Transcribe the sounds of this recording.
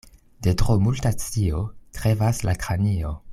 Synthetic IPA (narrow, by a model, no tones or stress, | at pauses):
de̞tʁo̞multat͡sio̞tɾe̞vaslakɾanio̞